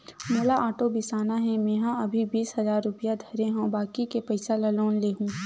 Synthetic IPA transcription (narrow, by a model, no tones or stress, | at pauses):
moːlaʔaːʈobɪsaːnaɦɛ̃mẽːɦãɐbʱibiːsɦɐzaːɾːʊpɪjad̪ʱɐɾẽɦõbaːkikepɐɪsalɐloːnleːɦũː